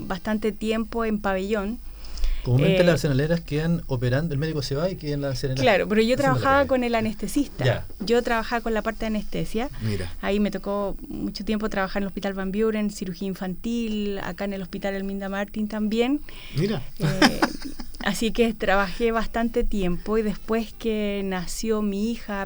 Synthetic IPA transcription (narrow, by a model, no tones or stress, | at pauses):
bast̪ant̪e̞t̪je̞mpo̞empaβe̞ʝo̞n | komumeelasenaleɾaskeanopeɾand̪oelmeðikoseβaikenlaseɾelaɾopoɾeʝot̪ɾaβaxaβako̞nelanest̪esist̪aaʝo̞t̪ɾaβaxaβako̞nlapaɾt̪eanest̪esjamiɾa̰ːime̞t̪o̞ko̞mut͡ʃot̪je̞mp̬ot̪ɾaβaxaɾenlohpit̪alβambjoɾensiɾuxiaiɱfant̪ila̰kaene̞lo̞spit̪alelmĩnd̪amaɾt̪int̪ambje̞n | miɾae | a̰siket̪ɾaβaxe̞βast̪ant̪e̞t̪je̞mpo̞iðe̞spwe̞skenasjomiixa